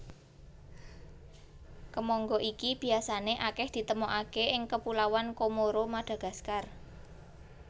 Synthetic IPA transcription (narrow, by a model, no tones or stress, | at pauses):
kəmɔŋɡɔʔikib̥i̤asaneʔakɛhd̪̥i̤t̪əmoʔakeʔɪŋkəpulawankomoɾomaɖ̥a̤ɡ̥ä̤skar